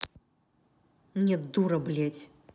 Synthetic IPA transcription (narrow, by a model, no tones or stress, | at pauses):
mnʲɛd̪uɾɐblʲɛt͡sʲ